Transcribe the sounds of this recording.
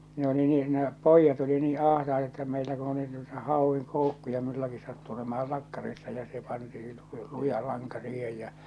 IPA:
ne oli nyh ne poˑijːɑt oli niː ɑˑhtɑetɑ etːæ meilæ ku oli nuitɑ hɑˑoʋːiŋ koˑukːujɑ mulːɑki sɑtːu olemɑɑl lɑkːɑrisːɑ jɑ se pɑntii lu lujɑ lɑŋkɑ siːhej jæ̠

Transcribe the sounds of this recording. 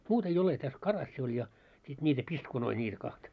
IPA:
muːt ei ole tæs kɑrɑsːi olʲ jɑ sit nʲiːtæ piskunoi nʲiːtæ kɑhtɑ

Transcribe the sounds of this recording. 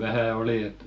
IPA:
ʋæhæ oli et

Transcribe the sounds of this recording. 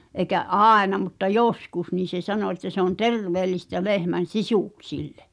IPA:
ʔeĭkæ ʔɑˑenɑ mutːɑ joskus niːn̞ se sɑno etːæ se on terʋeːlistæ lehmæn̞ sisuˑksilːe̥

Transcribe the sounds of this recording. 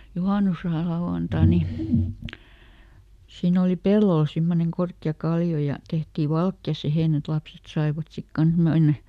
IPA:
juhɑˑnuslɑuw̆ɑntɑ ni siːn oli pelːol simːoneŋ korkːiɑ kɑlːio jɑ tehtiː ʋɑlkjɑ siheˑn et lɑpset sɑiʋɑt sit kɑns menːæ

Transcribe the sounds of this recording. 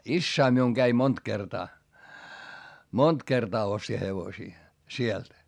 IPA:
isːæi miuŋ ɡ̊æi mont kertɑː mont kertɑː osti heʋosiː sielt

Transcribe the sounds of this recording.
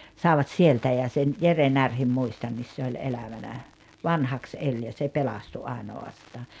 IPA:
sɑˑeʋɑt sieltæ jɑ sen jere nærhim muistɑnːis se olʲ elæʋænæ ʋɑnhɑks elʲ jɑ se pelɑstu ɑˑenoɑstɑː

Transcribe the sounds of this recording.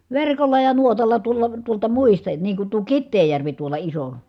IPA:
ʋerkolːɑ jɑ nuotɑlːɑ tuolˑɑ tuoltɑ muistɑ niːŋ kun tuo kitːeːjːærʋi tuolɑ iso

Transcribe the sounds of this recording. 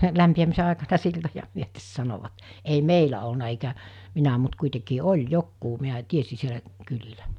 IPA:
læmpiæmise ɑˑekɑnɑ siltojɑ myøtes sɑnoʋɑt ei meilæ olnɑ eikæ minæ mut kuitekiː olʲ jokːuː miæ tiesi sielæ kylilæ

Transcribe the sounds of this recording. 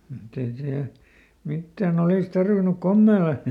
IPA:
mutː ei siæl mitːæːn oliˑs tɑrʋinuk komːeːlɑ

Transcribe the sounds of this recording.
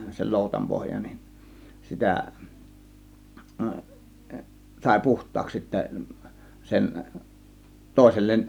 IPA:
sel loˑutɑm pohjɑ nin sitæ sɑˑe̝ puhtˑɑːks sitːæ sen toˑe̝selːen

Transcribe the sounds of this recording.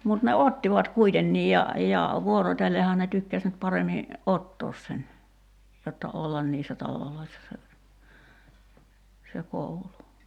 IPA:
mut ne otːiʋɑt kuitenːiːj jɑ jɑ ʋuorotʲelːehɑː ne tykːæs nyt pɑremi ʔotːoːs sen jotːɑ olːɑn niːsːæ tɑloloisːɑ se se koulu

